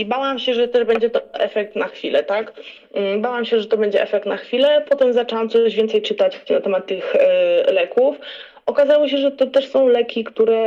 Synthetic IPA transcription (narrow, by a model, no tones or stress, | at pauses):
ibawamɕɛʐɛt̪ɛʐbɛɲd͡ʑɛt̪ɔʔɛfɛk̚t̪naxfʲilɛt̪ak̩ | bawamɕɛʐɛt̪ɔbɛɲd͡ʑɛ̰ʔɛfɛk̚t̪naxfʲilɛpɔt̪ɛmzat͡ʂɛwamt̪sɔʑvʲɛnt̪sɛjt͡ʂɘt̪at͡ɕnat̪ɛmat̪ːɘxlɛkuf | ɔkazawɔɕ̬ɛʐɛt̪ɔt̪ɛʂsɔ̃w̃lɛkʲikt̪uɾɛ